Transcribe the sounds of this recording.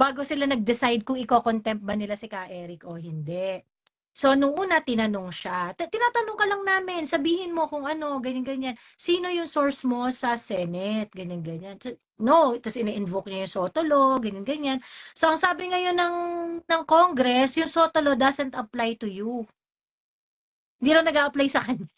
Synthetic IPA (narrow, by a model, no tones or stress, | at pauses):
b̥aːɡo̞sɪlanɐɡ̚d̪ɪsajd̪̚kʊŋɪkoːkont̪ɛmp̪̚bɐnɪlasɪkaʔɛɾɪkʔohɪnd̪ɛʔ | so̞nʊŋʔuːnɐt̪ɪnɐnoŋʃat̪t̪ɪnaːt̪ɐnoŋkɐlɐŋnaːmɪnsɐbiːhɪnmo̞kʊŋʔɐno̞ɡɐɲanɡɐɲan | siːno̞jʊŋsoɹsmo̞sɐsɛnɛt̪̚ɡɐɲɐnɡɐɲans | not̪ɐsʔɪnɛʔɪnvok̚ɲɐjʊŋsoːt̪olo̞ɡɐɲanɡɐɲanso̞ʔɐŋsaːbɪŋɐjo̞nːɐŋnɐŋkoŋɡɾɛsjʊŋsoːt̪olo̞d̪ɐsɛnt̪ɐplajt̪ʊju | hɪnd̪iːɾɐwnɐɡaːʔɐplajsɐkɐɲa